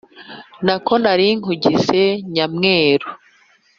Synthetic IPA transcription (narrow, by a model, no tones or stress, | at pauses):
nako̞naɾiŋ̥uɟizeɲamŋeːɾo